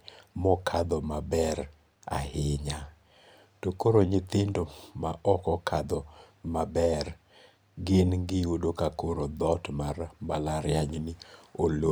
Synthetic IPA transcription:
mɔkʰad̪ɔmabɛɾ | a̰hɪɲa | tokoɾoɲɪt̪ɪndomaʔɔkɔkʰad̪ɔmabɛr | ɡɪnɡɪodokakoɾod̪ɔtmarbalaɾjaɲnɪolo

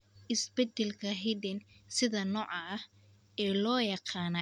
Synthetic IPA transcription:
ʔɪsbɛd̪ɛlkʰɐɦid̪ɛnsɪðɐnɔːʕɐh | ɛːlɔːjɑqɑːnɐ

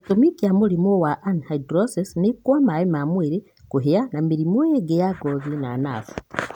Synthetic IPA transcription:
tomikijamulimowaʔanhaidɾosisnikwamaimamwiɾi | kuɦijanamiɾimojeɡejaɡoðinaːna̰fu̥

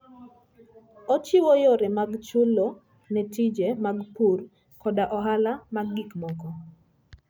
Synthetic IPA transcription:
ɔt͡ʃɪwojoɾɛmaɡt͡ʃʊlo | nɛtid͡ʒemaɡpur | kɔdaʔɔɦalamaɡːikmɔkɔ

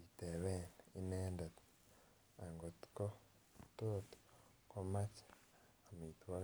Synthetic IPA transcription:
iteβenineːndet | aŋɡoti̥ko | toto̥ | komacḁ | amitwa

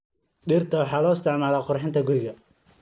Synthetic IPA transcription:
ɖiːrt̪ʰɐwɑħɑːlɔːɪst̪ʰɛʕmaːlaːqʊrħɪnt̪ʰɐɡʊɾɪɣɐ

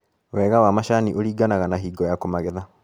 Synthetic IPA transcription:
wɛːɣawamaʃaniʔoɾiːɡanaɣanaɦiːɡɔjakomaɣeða

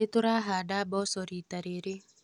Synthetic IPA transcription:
et̪uɾaɦaɖabɔsɔɾit̪aɾeɾɪ

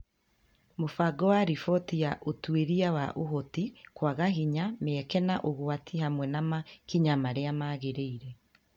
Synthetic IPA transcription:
mofaɡɔwaɾifɔtiaʔotweɾiawaʔoɦotikwaɣaɦiɲameɛkɛnaʔoɣwatʰihamwɛnamakiɲamaɾeamaːɣeɾeiɾe

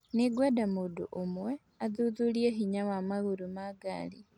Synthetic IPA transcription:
niɡwedamuːdṵʔomwe | aðuːðuljeɦiɲawamaɣuɾumaɡa̰li

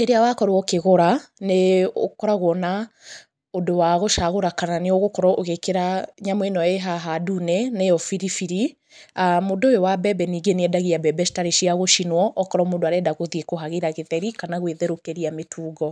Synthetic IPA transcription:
eɾeawakɔɾwɔkeɣoɾaneo̰kɔɾaɣwɔna | odowaɣoʃaɣoɾakananeoɣokɔɾɔʔoɣekeɾaɲamwɛnɔeɦaɦadunɛnejɔfiɾifiɾi | amoːdojowabɛbɛniːɡenɛdaɣiabɛbɛʃi̥taɾeʃiaɣoʃinwɔʔɔkɔɾɔmoːndoaɾɛdaɣoðiekoɦaɣeɾaɣeðɛɾikanaɣweðeɾokeɾiametʰuːɡɔ

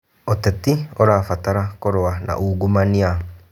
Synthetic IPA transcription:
ɔtɛtiɔɾaːfataɾakoɾoanʔa̰ʔuːɡumania

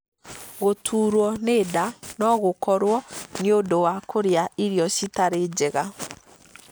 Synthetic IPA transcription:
ɣotʰuɾwɔneːdanɔɣokɔɾwɔɲjodowakʰoɾeaiɾjɔsitaɾeːd͡ʒɛɣa

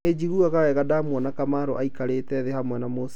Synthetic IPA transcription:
ed͡ʒiɣuaɣawɛɣadamwɔnakamaɾoʔaikaɾetɛðehamwɛnamos

